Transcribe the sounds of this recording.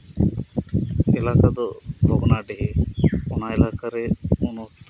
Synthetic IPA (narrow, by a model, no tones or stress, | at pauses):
ɛlakad̪ɔbʱɔɡnaɖeɦeɔn̤aelakaɾɛunɔt̪